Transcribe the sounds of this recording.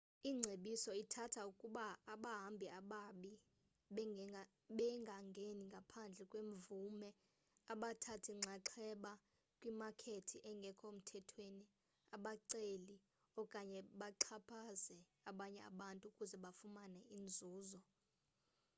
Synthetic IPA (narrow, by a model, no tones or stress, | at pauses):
iːŋ͡ǀʱeɓisɔitʰatʰaukʼuɓaːɓaɦambʱiaɓaɓi | ɓɛŋɡʱaŋɡʱeniŋɡʱapʰand͡ɮʱɛkʼweɱvumɛ | aɓatʰatʰiŋ͡ǀʱaǁʰɛɓa | kʼwimakʰetʰiʔɛŋɡʱɛkʰom̩tʰɛtʰweni | aɓaǀeli | ɔkʼaɲɛɓaǃʰapʰazɛ | aɓaɲɛa̰ɓantʼukʼuzɛɓafumanɛind͡zʱuːzɔ